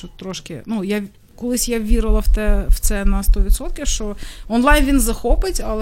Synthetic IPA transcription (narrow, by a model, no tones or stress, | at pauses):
ut̪ːɾɔʃkɪnuja | kɔlˠɪsʲjaʋʲiɾɪlˠɐwt̪ɛwt̪sɛnɐst̪ɔʋʲit̪sɔt̪̚kʲiwʃt͡ʃɔɔnlˠɑjnʋinzɐxɔpɪtʲɐlˠ